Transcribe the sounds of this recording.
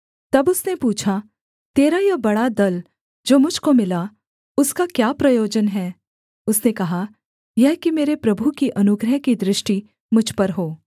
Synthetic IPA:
t̪ɐbʊsnepuːt͡ʃʰa | t̪eːɾajɐbɐɽad̪ɐl | d͡ʒoːmʊd͡ʒʱkomɪla | ʊskakjaːpɾɐjoːd͡ʒənɦɛː | ʊsnekɐɦa | jɛɦkimeːɾepɾɐbʱukiʔɐnʊɡɾəɦkid̪ɾɪʃʈi | mʊd͡ʒʱpɐɾɦoː

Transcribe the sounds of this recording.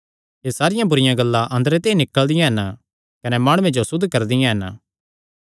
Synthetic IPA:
jeːsaːɾɪjãbʊɾɪjãɡɐlːãʔɐ̃nd̪əɾet̪eːĩnɪkːəld̪ɪjãɦɐn | kɐnɛmaːɽ̃ʊ̃ʋẽd͡ʒosʊd̪ːkɐɾd̪ɪjãɦɐn

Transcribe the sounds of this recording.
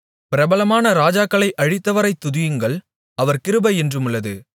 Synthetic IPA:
pɪɾɐbɐlɐmaːnɐɾaːd͡ʒaːkːɐɭɐɪʔɐɻɪt̪ːɐʋɐɾɐɪt̪ːʊðɪjɯŋɡɐɭ | ɐʋɐɾkɪɾɯbɐɛndrɯmɯɭːɐðɯ

